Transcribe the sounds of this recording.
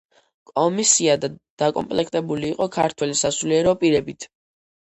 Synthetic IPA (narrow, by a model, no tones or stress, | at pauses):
kʼɔmisiad̪ad̪̥akʼɔ̰mpʼlɛkʰt̪ʼɛbuliːqʼɔkʰaɾt̪ʰwɛlisasuliɛɾɔpʼiɾɛbit̪ʰ